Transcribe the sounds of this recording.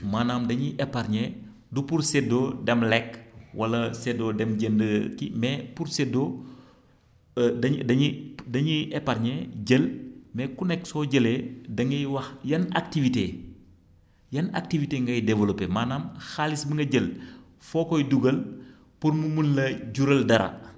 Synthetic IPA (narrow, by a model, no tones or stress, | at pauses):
maːnaːmdɐɲiʔɛpːaɾɲɛ | dupuɾsɛdodɛmlɛkwɐlɐsɛdodɛmɟəndəkimɛpuɾsɛdo | dɐɲdɐɲidɐɲiʔɛpːaɾɲɛɟəlmɛkunɛksɔɟəledɐŋɡɐjwɐxjɐnak̚tivite | jɐna̰k̚tiviteŋɡɐjdɛvɐlopemaːnamxaːlisbəŋɡɐɟəl | fɔːkɔjduɡɐl | puɾmumunlɐɟuɾɐldɐɾɐ̰